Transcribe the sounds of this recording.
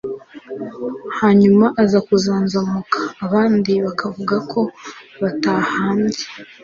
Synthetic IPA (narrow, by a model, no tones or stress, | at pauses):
haːɲumaʔazakuzaːnzamukḁːβaːndiβakʰavuɡakʰo̞βatahaːɲɟe̥